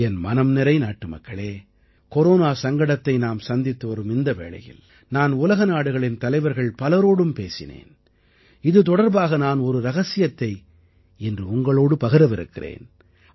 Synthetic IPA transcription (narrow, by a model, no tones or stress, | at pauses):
ɛnmɐnɐmnɪɾɐɪnaːʈːɯmɐ̰kːɐɭeː | kɔɾoːnaːsɐŋɡɐɽɐt̪ːɐɪnaːmsɐnd̪ɪt̪ːɯʋɐɾɯmɪnd̪ɐʋḛːɭɐ̰jɪ̰l | naːnʊlɐɣɐnaːɽɯɣɐɭɪnt̪ɐlɐɪʋɐɾɣɐɭpɐlɐɾoːɽɯmpḛːsɪ̰nḛːn | ɪðɯt̪ɔɽɐɾbaːɣɐnaːnɔɾɯɾɐɣɐsɪjɐt̪ːɐɪ | ɛndrɯʊŋɡɐɭoːɽɯpɐɣɐɾɐʋɪɾɯ̰kːɪrḛːn